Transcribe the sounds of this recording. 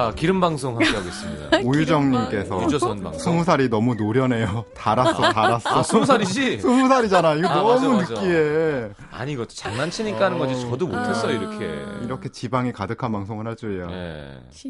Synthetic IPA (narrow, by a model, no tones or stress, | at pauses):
akiɾɯmbaŋsʰoŋhakeɦaɡes͈ɯmɲida̰ojud͡ʑʌŋɲimk͈e̞sʰʌsʰumus̬ʰaɾinʌmunoɾjʌne̞jotaɾas͈ʌtaɾas͈ʌsʰumusʰaɾid͡ʑisʰumus̬ʰaɾid͡ʑanajoiɡenʌmunɯk͈ie | a̰ɲiɡʌto̥t͡ɕaŋnant͡ɕʰiɲik͈aɦanɯnɡʌd͡ʑit͡ɕʌdomotʰes͈ʌjoiɾʌkʰḛiɾʌkʰe̞t͡ɕibaŋikadɯkʰanmaŋsʰoŋɯɭɦaɭt͡ɕ͈uejaje̞̰